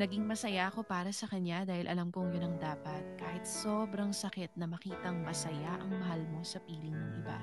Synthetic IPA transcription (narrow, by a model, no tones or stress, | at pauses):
nɐɡiŋmɐsɐjaʔɐko̞paːɾɐsɐkɐɲjad̪aːhɪlʔɐ̰lɐmkoŋjonɐŋd̪aːpɐt̪̚kaːhɪt̪̚so̞ːbɾɐŋsɐkɛt̪̚nɐmɐkiːt̪ɐŋmɐsɐjaʔɐŋmɐɦalmo̞sɐpiːlɪŋnɐŋʔɪ̰ba̰